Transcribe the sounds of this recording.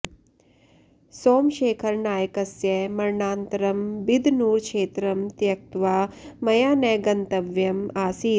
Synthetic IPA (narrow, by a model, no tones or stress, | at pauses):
soːmʃeːkʰɐɾnaːjɐkɐsjɐmɐɾɳaːnt̪ɐɾɐmbid̪ʱnuːɾkʃeːt̪ɾɐmt̪jɐk̚t̪ʋaːmɐjaːnɐːɡɐnt̪ɐʋjɐmaːsiː